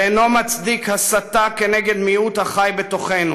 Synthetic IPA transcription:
eno̞mat͡sd̪ikhasat̪akeneɡe̞d̪miut̪haχajbet̪o̞χenu

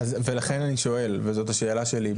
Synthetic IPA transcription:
azve̞laχe̞naniʃo̞e̞lvezo̞taʃeːlaʃe̞li

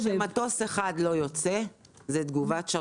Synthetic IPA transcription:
mat̪o̞seχad̪lo̞jo̞t͡se | zɛt̪ɡuvatʃa

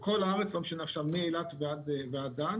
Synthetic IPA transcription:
kolaaʁet͡slomʃenaχʃavmielat̪vead̪vead̪an

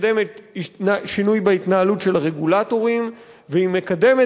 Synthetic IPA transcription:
demetinaʃinujbait̪naalutʃe̞laʁe̞ɡulato̞ʁim | veime̞kade̞me

